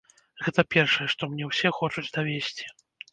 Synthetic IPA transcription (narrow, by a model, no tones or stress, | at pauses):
ɣɛt̪ɐpʲɛrʂɐjɛʂt̪ɔmnʲɛwsʲɛxɔt͡ʂut͡sʲd̪avʲesʲt͡sʲi̥